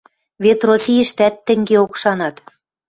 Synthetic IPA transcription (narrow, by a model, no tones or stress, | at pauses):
βet̪rosʲijə̆ʃt̪æt̪ːɘ̆ŋɡeokʃɑnɑt̪